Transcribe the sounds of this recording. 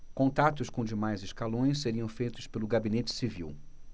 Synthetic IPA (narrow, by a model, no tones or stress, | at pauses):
kõnt̪at̪ʊskõd͡ʒɪmajzɪskalõj̃sseɾiɐ̃w̃fejt̪ʊspelʊɡabinet͡ʃɪ̥sivḭw